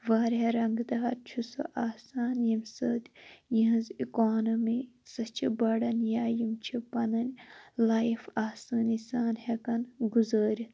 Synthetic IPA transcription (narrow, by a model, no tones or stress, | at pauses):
ʋaːɾʲeɾɐŋɡd̪aːɾt͡ʃʰuso̰ʔaːsaːnjimʲsɐd̪ʲjiɦɐzikoːnɐmisɐt͡ʃʰibɐɽɐnʲjaːjimt͡ʃʰipɐnɐnʲlaːifaːsaːnisaːnhekɐnɡuzəːɾʲi